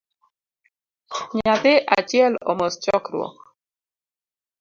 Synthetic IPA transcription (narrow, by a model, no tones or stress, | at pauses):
ɲat̪ɪʔat͡ʃjɛlɔ̰most͡ʃɔkɾwɔ̰